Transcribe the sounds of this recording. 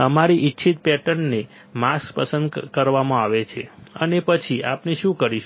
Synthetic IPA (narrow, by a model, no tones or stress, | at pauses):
əmaɾiʔitːʃʰit̪̚pɛʈəɳːe | maspəsənd̪kəɾʋamãaʋet͡ʃʰeənepət͡ʃʰiapneʃũkəɾiʃ